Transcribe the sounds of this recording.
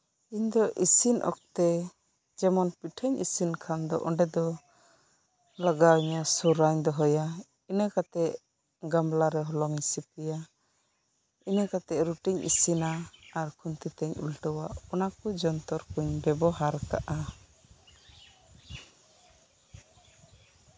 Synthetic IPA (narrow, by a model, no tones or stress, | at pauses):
iɲd̪ɔʔisinʔɔ̰k̚t̪ɛ | d͡ʒɛmɔnpiʈʰəɲḭsinkʰand̪ɔ̰ʔɔɳɖɛd̪ɔ | laɡawiɲasuɾaɲd̪ɔɦɔja | inəkat̪ɛʔ | ɡamlaɾɛɦɔlɔŋisip̚ɛja | inəkat̪ɛʔɾuʈiɲʔḭsinaːɾkʰunt̪it̪ɛɲṵlʈɔwaʔɔnakud͡ʒɔnt̪ɔɾkuɲbɛbɔɦaɾka̰ʔa